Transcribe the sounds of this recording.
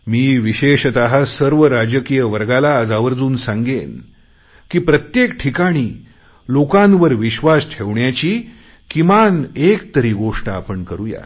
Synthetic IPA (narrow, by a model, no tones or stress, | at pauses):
miːʋiɕeɕt̪aɦasəɾʋəɾad͡ʑəkijəʋəɾɡalaːd͡zaʋəɾd͡zuːnsãŋɡen | kiːpɾət̪jekʈʰikaɽ̃iː | lokãnʋəɾʋiɕʋasʈʰeʋɳjat͡ɕiː | kimanekt̪əɾiːɡoʂʈaːpəɳkəɾuja̰